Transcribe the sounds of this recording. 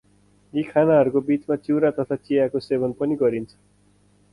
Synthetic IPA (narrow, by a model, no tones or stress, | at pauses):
jekʰanaɦʌɾukobit͡smat̪uɾat̪ʌt̪ʰat͡sijakosebʌnpʌniɡʌɾint͡sʰʌ̥